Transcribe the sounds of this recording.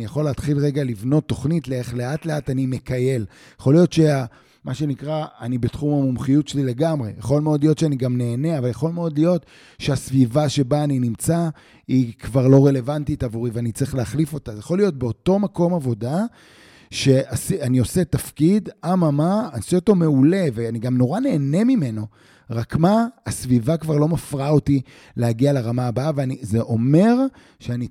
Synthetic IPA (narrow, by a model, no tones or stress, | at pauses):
ijaχo̞leːt̪χilʁeɡalivno̞tːo̞χnitleeχle̞atle̞atanime̞kaje̞l | jaχo̞lijo̞tʃea | maʃe̞nikʁaːnibetχumamumχijutʃelile̞ɡamʁe̞̰jaχo̞lmeo̞dlijo̞tʃeaniɡamne̞ːne̞avaljaχo̞lme̞o̞dlijo̞t | ʃeasvivaʃe̞baːninimt͡sa | ikvaʁlo̞ʁe̞le̞vantitavuʁiveanit͡siχleaχlifo̞tazjaχo̞lijo̞t̚be̞oto̞mako̞mavo̞da | ʃe̞ʔasianio̞se̞tafkidamamaːnsioto̞me̞ule̞veaniɡamno̞ʁane̞ːne̞mime̞no̞ | ʁakmaasvivakvaʁlo̞mafʁaoti | lehaɡialaʁamaːbaveanizeʔo̞me̞ʁ | ʃeani